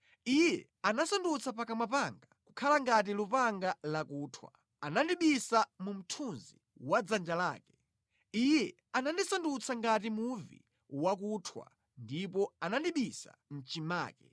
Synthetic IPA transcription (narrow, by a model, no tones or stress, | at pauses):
ijɛ | anasandut͡sʰap̬akamapaŋɡakukʰalaŋɡat̬ilupaŋɡalakuːtʰwa̰ | anandiɓisamum̩tʰunzḭ | wad͡zand͡ʒala̰ːkɛ̥ | ijɛ | anandisandut͡sʰaŋɡat̬imuvḭ | wakutʰwa̰ | ndipɔanandiɓisa̰n̩t͡ʃima̰ːkɛ̰